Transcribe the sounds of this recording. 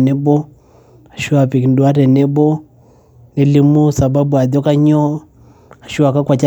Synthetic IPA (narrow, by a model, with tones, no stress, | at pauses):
nɛ˦bɔ˦ | a˨ʃu˦a˨pi˨ki˨ndu˨a˦ɾɛ˨nɛ˦bɔ˦ | nɛ˨li˦mu˦sa˨ba˦bu˨a˨dɔ˦ka˦ɲɔ˦ | a˨ʃu˦a˨ka˦kwa˨t͡ʃa˦